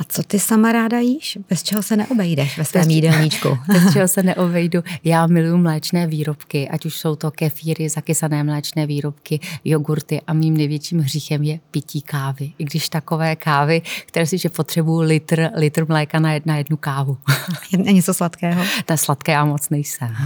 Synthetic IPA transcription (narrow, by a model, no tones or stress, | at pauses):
at͡sot̪ɪsamaɾaːdajiːʃb̥ɛst͡ʃɛɦosɛnɛ̰ʔobɛjdɛʃvɛsɛːmidɛlɲit͡ʃkṵbɛst͡ʃɛɦo̞sɛnɛʔobɛjdujaːmɪlujumlɛːt͡ʃnɛːviːɾo̞pkɪʔacuʃso̞wt̪o̞kɛfiːɾɪzakɪsanɛːmlɛːt͡ʃnɛːviːɾo̞pkɪjoɡuɾt̪ɪʔamiːmnɛjvjɛt͡ʃiːmɦrixɛmjɛpɪciːkaːvɪʔɪɡdɪʃt̪ako̞vɛːkaːvɪk̚t̪ɛɾɛːspiːʃɛpot̪r̝̥ɛbujulɪt̪r̩lɪt̪rmlɛːkanajɛdnajɛdnukaːvu | ɛɲɛt͡soslat̪kɛːɦonɛslat̪kɛːjaːmot͡snɛjsɛm